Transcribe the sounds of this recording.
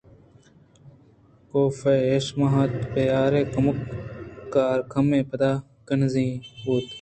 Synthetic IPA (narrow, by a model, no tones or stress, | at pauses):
koːfeːeːʃmɐɦɐt̪pejaːɾeːkɐməkː | aːɾkʰɐmẽːpɐd̪aː | kənzĩːɦuːt̪